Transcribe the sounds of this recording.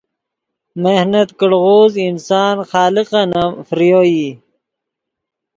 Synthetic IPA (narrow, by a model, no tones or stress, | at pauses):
mehnɐt̪kəɽɣoːzinsɑːnxɑːliqɐnɐmfɾijoːji